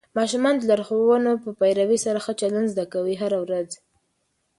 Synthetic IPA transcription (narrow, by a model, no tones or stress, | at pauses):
mɑʃumɑnd̪əlaɾxowənopəpajɾawisaɾaxət͡ʃaland̪zd̪akawiɦaɾawɾaz